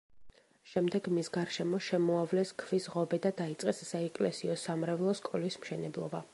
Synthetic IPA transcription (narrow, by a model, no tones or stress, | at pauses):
ʃɛmd̪ɛɡmisɡaɾʃɛmɔʃɛmɔavlɛskʰvisʁɔbɛd̪ad̪ait̪sʼqʼɛsːaɛkʼlɛsiɔsamɾɛvlˠɔskʼɔlismʃɛnɛblˠɔba